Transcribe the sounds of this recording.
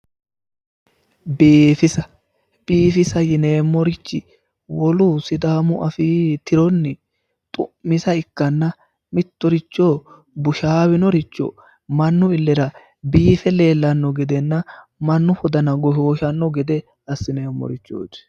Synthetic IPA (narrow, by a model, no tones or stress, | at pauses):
biːfɪsɐ | b̥iːfɪsɐjɪne̞ːmːɔɾɪt͡ʃːɪ | wɔlʊsɪd̪aːmʊʔɐfiːt̪ɪɾɔnːɪ | t̪ʼʊʔmɪsɐɪkːɐnːɐ | mɪt̪ːɔɾɪt͡ʃːo | bʊʃaːwɪnɔɾɪt͡ʃːɔ̰ | mɐnːʊɪlːɛɾɐ | biːfɛle̞ːlːɐnːɔɡɛd̪ɛnːɐ | mɐnːʊhɔd̪ɐnɐɡɔʃo̞ːʃɐnːɔɡɛd̪ɛ | ɐsːɪne̞ːmːɔ̰ɾɪt͡ʃːo̰ːt̪ː